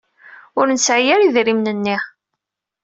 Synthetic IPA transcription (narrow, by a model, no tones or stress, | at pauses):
ʊɾnəsʕijæɾiðɾimnənːiħ